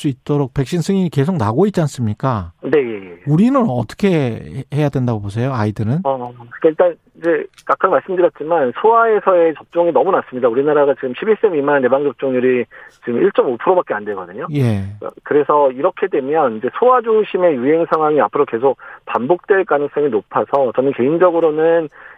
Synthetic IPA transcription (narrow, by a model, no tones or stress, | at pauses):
s͈uit̚t͈oɾok̚pe̞k̚ɕ͈insʰɯŋiike̞sʰok̚naɡoit̚t͡ɕ͈ians͈ɯmɲik͈ane̞je̞jeuɾinɯnʌt͈ʌ̥kʰe̞he̞jadwe̞ndaɡobos̬ʰe̞joaidɯɾɯnʌkɯkaiɭt͈an | id͡ʑe̞k͈akʰanmaɭs͈ɯmdɯɾjʌt̚t͡ɕ͈imansʰoae̞sʰʌe̞t͡ɕʌp̚t͡ɕ͈oŋinʌmunas͈ɯmɲidauɾinaɾaɡat͡ɕiɡɯmɕʰibiɭs͈emimannːe̞baŋd͡ʑʌp̚t͡ɕ͈oŋɲuɾit͡ɕiɡɯmiɭt͡ɕ͈omopʰɯɾobak͈eandwe̞ɡʌdɯɲoje̞ka̰kɯɾe̞sʰʌiɾʌkʰe̞dwe̞mjʌnid͡ʑe̞sʰowad͡ʑuɕʰime̞juɦe̞ŋsʰaŋɦwaŋiapʰɯɾoke̞sʰok̚pambok̚t͈we̞ɭk͈anɯŋs͈ʌŋinopʰasʰʌt͡ɕʌnɯnke̞ind͡ʑʌɡɯɾonɯn